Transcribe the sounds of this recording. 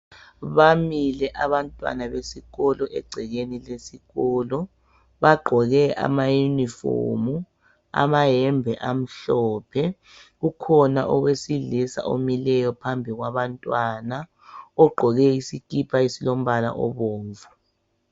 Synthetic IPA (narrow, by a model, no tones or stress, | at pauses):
βamilɛʔaβantʼwa̰naβesiɣɔlɔʔɛ̰ɡ͡ǀʱɛɣenilesiɣɔlɔ | βaɡ͡ǃʱɔɣɛa̰majunifo̰mu | a̰maɦɛmbʱɛʔam̩ɬɔːpʰɛ | ɣukʰɔna̰ʔɔɣwesiɮisa̰ʔomilɛjɔpʰambʱiɣwaβantʼwana | ɔɡ͡ǃʱɔɣɛisikʼipʰaisilom̩βala̰ʔɔ̰βoːɱvu